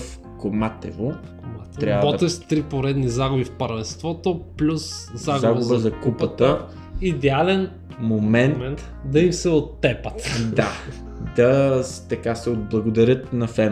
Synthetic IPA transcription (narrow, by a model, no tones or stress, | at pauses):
f | komat̪ɛ̰vo | at̪ːɾʲavbɔt̪ɛst̪ɾipoɾɛd̪nizaɡʊbifpɐɾvɛnst̪vɔt̪oplʲuszaɡzaɡbəʊzbəzɐkupət̪ə | id̪ɛalɛn | momɛnmɛnt̪ | d̪ɐimsɛot̪ːɛpət̪d̪a | d̪ɐt̪ɐkasɛod̪̚blˠɐɡod̪ɐɾʲɤt̪nɐfɛn